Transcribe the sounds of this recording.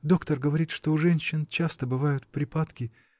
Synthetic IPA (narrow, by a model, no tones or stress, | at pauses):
d̪o̞kt̪ərɡəvɐɾʲit̪ʂt̪oʊʐɛnʲɕːɪnt͡ɕast̪əbɨvajʊt̪pɾʲɪpat̪kʲɪ